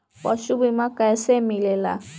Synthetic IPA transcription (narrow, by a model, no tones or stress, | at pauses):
waʃubimakaɛsɛmilɛla̰